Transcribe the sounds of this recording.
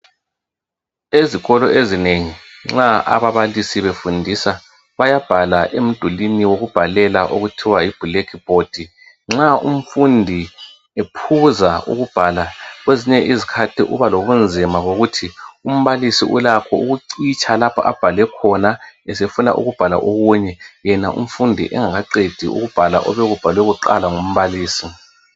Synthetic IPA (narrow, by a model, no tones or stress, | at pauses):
eziɣɔlɔʔezineŋiŋ͡ǁaʔa̰βaβalisiβefundʱisa | βajab̥ʱalaʔem̩d̥ʱuliniwoɣub̥ʱalɛlaʔoɣutʰiwaib̥ʱulekʰib̥ʱod̥ʱi | ŋ͡ǁaṵm̩fundʱi | epʰuzaṵɣub̥ʱalaɣweziɲɛʔizikʰatʰiʔuβaloɣund͡zʱimaɣoɣutʰium̩βalisiʔulakʰɔuɣuǀit͡ʃʰʼalapʰa̰ʔa̰b̥ʱalɛkʰɔnaɛsefuna̰ʔṵɣub̥ʱala̰ʔoɣuɲɛjɛnaʔṵm̩fundʱḭʔɛ̰ŋaɣaǀed̥ʱḭʔṵɣub̥ʱala̰ʔɔβɛɣub̥ʱalwɛɣuǃa̰laŋum̩βaliːsi